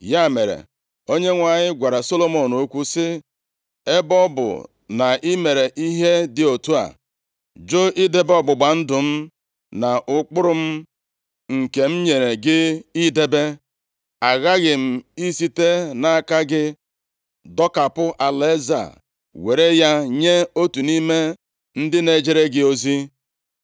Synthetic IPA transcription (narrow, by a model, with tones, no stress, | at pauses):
ja˦˨me˨ɾḛ˨ | o˦ɲe˦ŋʷa˨ɲɪ˦ɡʷa˨ɾa˨so˦lo˦mo˨no˦kʷu˦sɪ˦ | e˦bɔ˦bʊ̰˨ | na˨ʔi˦me˨ɾe˨ʔi˦ɦe˦dɪ˨o˨tu˦a̰˨ | d͡ʒo˦i˦de˦bɔ˦ɡ͡bʊ˨ɡ͡ba˨n̩˦dʊ˨m̩˦ | na˨ʔʊ˦k͡pʊ˦ɾʊ˦m̩˦ | ŋ̩˨ke˨m̩˦ɲe˨ɾe˨ɡɪ˦i˦de˦be˦ | a˨ɣa˦ɣɪ˨m̩˨i˦si˦te˦na˨a˨ka˦ɡɪ˦ | dɔ˦ka˨pʊ˦ʔa˨le˦za̰˨ | we˨ɾe˦ja˦ɲe˦o˦tu˨ni˦me˦ | n̩˦dɪ˦ne˨˦d͡ʒe˨ɾe˦ɡɪ˦o˦zi˦